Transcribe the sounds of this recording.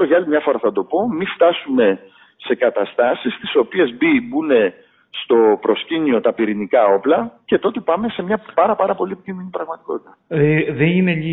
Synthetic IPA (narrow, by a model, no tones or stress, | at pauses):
oʝɐlimɲɐfo̞ɾɐθɐd̪o̞po̞mift̪ɐsume̞ | se̞kɐt̪ɐst̪ɐsist̪i̥so̞pie̞zbibune̞ | st̪o̞pɾo̞scinio̞t̪ɐpiɾinikɐo̞plɐce̞t̪o̞t̪e̞pɐme̞se̞mɲɐpɐɾɐpɐɾɐpo̞liepiciminipɾɐɣmɐt̪iko̞t̪it̪ɐðeninei